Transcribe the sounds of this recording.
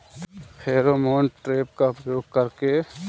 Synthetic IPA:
hʰeːɾoːmoːɳʈʈɾeːp̚kaʊpjoːɡ̚kɐɾke

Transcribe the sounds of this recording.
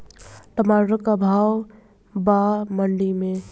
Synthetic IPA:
ʈ̪əmaɾəkabʱaːw | baməɳɖimẽ

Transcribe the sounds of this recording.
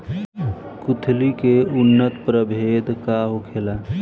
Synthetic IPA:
kʊt̪ʰlikeʊnːət̪pɾəbʱeːd̪kaɦokʰeːla

